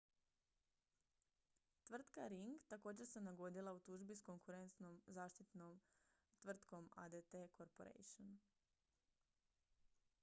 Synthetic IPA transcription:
t̪ʋr̩t̪kaɾiŋɡt̪ako̞ːd͡ʑeɾse̞naɡo̞d̪ilˠaut̪uʒbisko̞ŋkuɾe̞nt̪no̞mzaːʃt̪it̪no̞m | t̪ʋr̩t̪ko̞ma̰d̪et̪ekoɾpo̰ɾḛjʃon

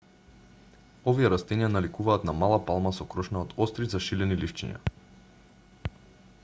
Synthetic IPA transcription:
ovijɛɾast̪ɛnijanalikuvaːt̪namalˠapalˠmasɔkɾɔʃnaot̪ɔst̪ɾizaʃilɛnilift͡ʃɛ̰ɲa̰

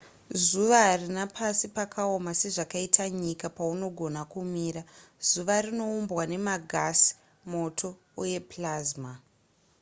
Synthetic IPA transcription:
zuʋaɦarinapʰasipakʰao̞mase̞ʐakaitʰaɲikapauno̞ɡʱo̞nakumiːɾaz̥uʋarino̞umbwane̞maɡʱasi̥ | mo̞tʰo̞ | uje̞plazma

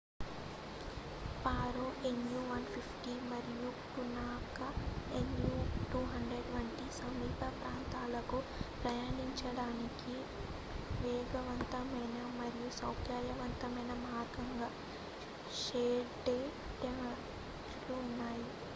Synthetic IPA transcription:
paːɾoʔenjuʋɐnpʰipʰʈimɐɾijuʈunaːkɐenjuʈuːɦɐɳɖɾeɖʋɐɳʈisɐmiːpɐpɾaːnt̪aːlɐku | pɾɐjaːniɲt͡ʃɐɽaːniki | ʋeːɡɐʋɐnt̪ɐmɐjnɐmɐɾijusɐwkjaɾjɐʋɐnt̪ɐmɐjnɐmaːɾɡɐŋɡaː | ʃeːɖe | ʈɐ | lunːaːji

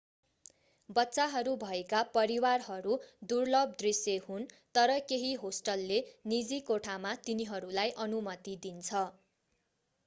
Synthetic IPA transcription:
bʌtːsaɦʌɾubʱʌekapʌɾiwarɦʌɾud̪urlʌb̚d̪risjehunt̪ʌɾʌkeɦiɦosʈʌlːenid͡zikoʈʰamat̪iniɦʌɾulajʔʌnumʌt̪id̪int͡sʰʌ

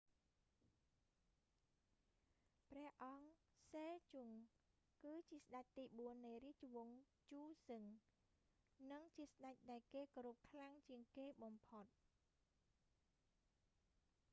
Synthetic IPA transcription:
prɛ̆əhʔɑŋ | seːt͡ɕuŋ | kɨːt͡ɕiəsɗac̚t̪iːɓuənːɨjriəht͡ɕuʋŭŋ | t͡ɕuːsɨŋ | nɨŋt͡ɕiəsɗac̚ɗaɛlkeːkɔɾup̚kʰlaŋt͡ɕiəŋkeːɓɑmpʰot̪̚

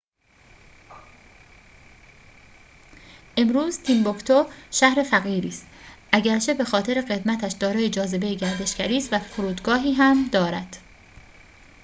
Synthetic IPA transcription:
ʔe̞mɾuːzt̪ʰiːmbokt̪ʰoʃæhɾe̞fæɣiːɾiːst̪ʔæɟæɾt͡ʃʰe̞be̞xɒːt̪ʰe̞ɾe̞ɣe̞d̪mæt̪ʰæʃd̪ɒːɾɒːjed͡ʒɒːze̞be̞jeɟæɾd̪e̞ʃɡæɾiːst̪væfoɾuːd̪ɡɒːɦiːɦæmd̪ɒːɾæd̪̥

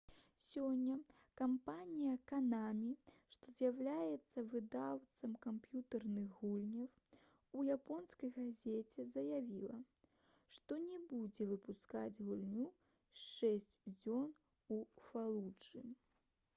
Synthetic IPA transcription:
sʲɔnʲːɐ | kampanʲijɐkanamʲiʂt̪ɔzʲjawlʲajɛt̪sːɐvɨd̪awt̪sɐmkampjut̪ɐrnɨɣɣulʲnʲɐw | ujapɔnskɐjɣazʲet͡sʲɛzɐjavʲilˠɐ | ʂt̪ɔnʲɛbud͡zʲɛvɨpuska̰d͡zʲɣulʲnʲu | sʂɛsʲt͡sʲd͡zʲɔn | ufalˠut͡ʂɨ

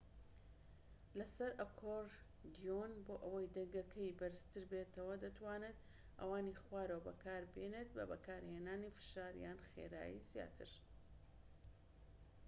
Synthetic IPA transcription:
lɐsɐɾʔɐkʰoɾ | d̪ijonboːʔɐwɐjd̪ɐŋɡɐkʰɐjbɐɾɨst̪ɨɾbeːt̪ɐwɐd̪ɐt̪waːnet̪ | ʔɐ̰waːnixwaːɾɐwbɐkʰaːɾbenet̪̚bɐ̰bɐkaːɾheːnaːnifɨ̥ʃaːɾ̰jaːnxḛːɾa̰ːjḭzija̰ːt̪ʰɨɾ

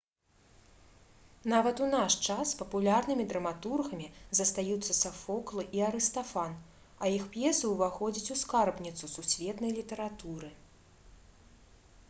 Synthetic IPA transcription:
navɐt̪unaʂt͡ʂaspɐpulʲarnɨmʲid̪ɾɐmat̪urɣɐmʲizɐst̪ajut̪sːɐsafɔklˠɨʔiaɾɨst̪afan | ɐjixpjɛsɨwvaxɔd͡zʲit͡sʲuskarbnʲit̪sususʲvʲɛt̪nɐjlʲit̪ɐɾat̪uɾɨ

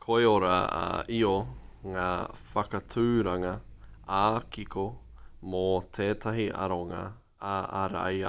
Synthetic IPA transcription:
kʰoeoɾɐ̰ʔioŋaːfɐkɐt͡sʰʉːɾɐŋɐaːkikʰomotʰeːtɐɦiʔɐ̰ɾoŋɐ̰ | aʔaɾa̰j

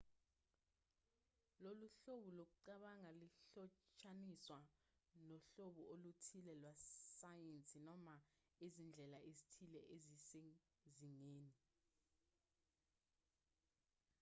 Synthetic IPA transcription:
loluɬoɓulok̬uǀaɓaŋaliɬɔt͡ʃʰʼaniswa | nɔɬoɓuʔolutʰilɛlwasajent͡sʼinɔma | ezind͡ɮʱɛlaʔezitʰilɛʔezisɛ | ziŋeːni

